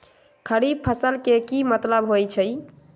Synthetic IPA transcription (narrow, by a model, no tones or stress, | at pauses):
kʰəɾib̚pʰəsəlkekimət̪ləbɦojt͡ʃʰəj